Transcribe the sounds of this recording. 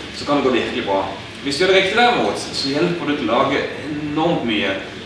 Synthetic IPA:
sɔkʰɑnɛɡoːb̪ɪhɪk̪lɪbɾɑː | ʋɪsd̪ʉɛːd̪ɛɾɪkt̪ɪd̪æːɾmuːt̪sɔjɛlpəd̪ʉt̪ʰlɑːɡəɛnɔʁmt̪myːə

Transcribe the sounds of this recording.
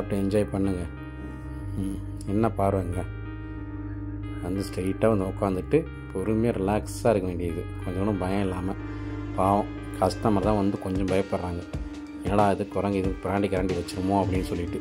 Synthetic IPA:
aʈːɯ̃ɛɲd͡ʒaːjpɐɳːɯŋɡɐ | ɛnːɐpaːɾɯʋɐːŋɡɐ | ʋɐnd̪ɯsʈeɪʈːaːʋɐnd̪ɐʊkːaːnd̪ɯʈːɯ | pʰɔɾɯmɪjɐɾɪlaːksaːɪɾɯkːɐʋeːɳɖɪjɐðɯkɔɲd͡ʒɐnɐ̃bɐjɐ̃ɪlːaːmɐ | paːʋɐ̃ | kɐst̪ɐmɐɾɐt̪ãːʋɐnd̪ɯkɔɲd͡ʒɐ̃mbɐjɐpːɐɽɾaːŋɡɐ | ɛnːaːlãːɪðɯkɔɾɐŋɡɐɯkɾaːɳɖikɐɾaːɳɖiʋɐt͡ʃːɯɾɐmoːɐpːɐɽɪnːɯsɔlːɪʈːɯ

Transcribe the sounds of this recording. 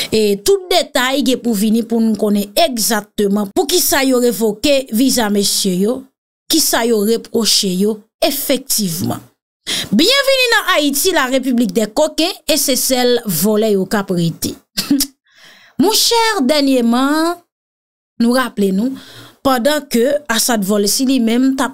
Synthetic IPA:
et̪ut̪̚d̪et̪ajɡɛ̃puvinĩpunũkõnɛ̃eɡzak̚t̪ømɑ̃puk̬isajoʁevokevizamesjøjo | kisajoʁepʁoʃejo | efɛk̚t̪ivmɑ̰̃ | bjɛ̃vininɐ̃ʔait̪ilaʁep̬yblik̚d̪ɛkokɛ̃esesɛlvolɛjokapʁet̪e̥ | mɔ̃ʃɛʁd̪ɛʁnjemɑ̃ | nũʁaplenũpɑ̃d̪ɑ̃køasãd̪volɛsilimɛ̃mt̪ap̚

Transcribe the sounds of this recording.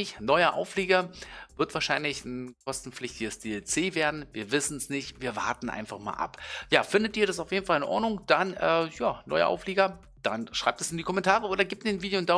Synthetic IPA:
ɪçnɔʏɐʔa̰ʊfleːɡɐvɪɐtv̥aːɐʃaɪnlɪçn̩kʰɔstn̩flɪçtɪɡəsd̥eɛlt͡seːveːɐdn̩viːɐvɪsn̩snɪçtviːɐva̰ɐtn̩ʔa̰ɪnfaχma̰ːlʔa̰pjaːfɪndətiːɐɾasaʊfjeːdn̩falɪnʔɔ̰ɐdnʊŋd̥anʔɛːjaːnɔ̰ʏɐ̰ʔa̰ʊfleːɡɐ | d̥anʃʁ̥aɪp̚tɛsɪndiːkʰɔmɛntʰaːʁəoːɾɐɡiːp̚tːeːnviːdejond̥a

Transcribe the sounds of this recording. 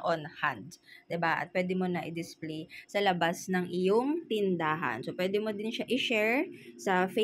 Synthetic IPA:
ʔonhand̪̚d̪ɪbaʔɐ̰t̪̚pwɛːd̪ɪmo̞nɐʔɪd̪ɪsplejsɐlɐbasnɐŋʔɪjoŋt̪ɪnd̪aːɦɐ̰nsopwɛːd̪ɪmod̪ɪnʃaʔɪʃɛɹsɐfe

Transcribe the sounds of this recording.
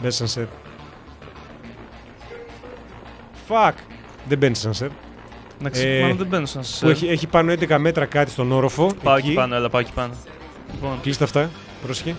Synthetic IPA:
bensɐnseɾ | fɐk | ðebenssɐnseɾ | nɐkeðebenusɐnsɐseieçipɐnoend̪ekɐme̞t̪ɾɐkɐt̪i̥st̪ono̞ɾofo̞eɐoipɐnoelɐpɐoci̥pɐno | liponklist̪eɐft̪ɐ | pɾose̥çe

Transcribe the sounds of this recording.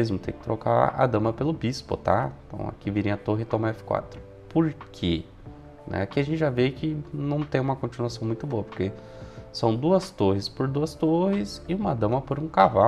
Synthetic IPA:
ezmʊt̪ekɪ̥t̪ɾoka̰a̰d̪ɐ̃mɐpelʊbispʊ̰t̪ãnt̪ɐ̰̃w̃a̰kiviɾẽɐat̪oɦɪt̪õmɐɛfɪ̥kwa̰t̪ɾʊ̥ | poɾkʰe | nʔɛ̰akiɐʒẽnt͡ʃɪʒavekɪnɐ̃w̃t̪ẽj̃ũmɐkõt͡ʃinuasɐ̃w̃mũj̃t̪ʊboɐpoɾke | sɐ̃w̃d̪uɐst̪oɦɪspoɾd̪uɐst̪ohɪsɪũmɐd̪ɐ̃mɐpoɾũkava

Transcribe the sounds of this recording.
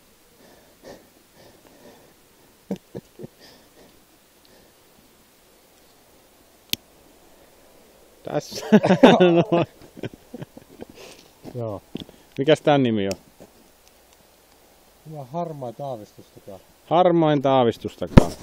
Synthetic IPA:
t̪æ̰sːænoo | joː | mikæst̪ænnimio | milæhɑrmɑint̪ɑːʋist̪ust̪ɑkɑː | hɑrmɑint̪ɑːʋist̪ust̪ɑkɑ̰ː

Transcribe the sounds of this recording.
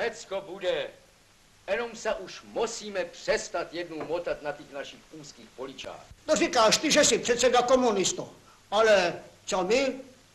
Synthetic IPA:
nɛt͡skobudɛ | jɛnomsaʔuʃmusiːmɛpr̝̥ɛst̪at̪jɛdnuwmot̪at̪nat̪ixnaʃixuːskiːxpolit͡ʃa̰ːxt̪orikaːʃt̪iʒɛsipr̥ɛt̪sɛdakomunɪst̪o | alɛt͡somɪ

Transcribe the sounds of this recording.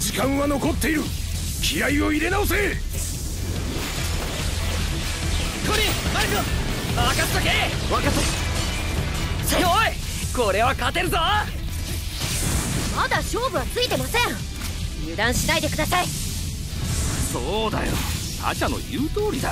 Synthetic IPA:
d͡ʑikãɰ̃βano̞ko̞t̪ːe̞iɾɯ̟ | kʲiaioiɾe̞naos̬e | k̪oɾʲimaɾikɯaakasɨ̥t̪akeβakaso | saɡoi | koɾe̞βakat̪e̞ɾɯ̟zo | mad̪aɕoːbɯ̟βat͡sɨit̪e̞masẽ | jɯ̟d̪ãɰ̃ɕinaid̪e̞kɯ̟d̪asai | soːd̪a̰jo̰ | a̰ɕano̞̰jɯːt̪o̞ːɾʲid̪a

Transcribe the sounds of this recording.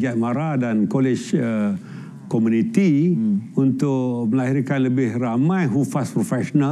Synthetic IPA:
iat̪̚maɾadankolɪt͡ʃə | komũnit̪iunt̪ʊʔməlaɦiɾkanləbɪhramãjɦufaspɾofɛʃona

